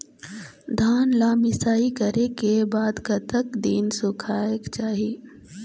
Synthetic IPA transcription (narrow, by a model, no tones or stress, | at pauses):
d̪ʱaːnlaːmɪsaːikəɾekebaːd̪kɐt̪əkd̪iːnsʊkʰaːjəkt͡ʃaːɦieː